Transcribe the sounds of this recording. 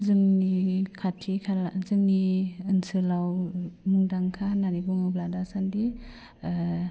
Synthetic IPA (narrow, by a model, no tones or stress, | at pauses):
zɯŋnikʰatʰikʰalazɯŋniɯnsɯlawmuŋdaŋkʰananibuŋɯwbladasandi